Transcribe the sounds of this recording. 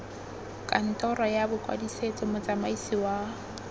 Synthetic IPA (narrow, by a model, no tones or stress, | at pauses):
kʼan̩tʼɔɾɔjabʊkʼwa̰diset͡sʼɔmʊt͡sʼamaisiwa